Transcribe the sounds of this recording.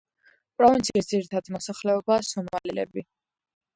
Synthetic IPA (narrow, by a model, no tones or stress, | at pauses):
pʼɾɔvint̪sʰiisd̪ziɾit̪ʰad̪imɔsaχlɛɔbasɔmalilɛ̰bi